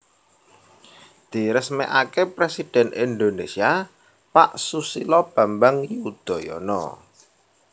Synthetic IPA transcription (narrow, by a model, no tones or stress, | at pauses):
d̪̥i̤ɾəsmɛ̰ʔakepɾesid̪̥ɛ̤nind̪onesia | paʔsusilɔb̥ä̤mbaŋiud̪̥ɔ̤jɔ̰nɔ̰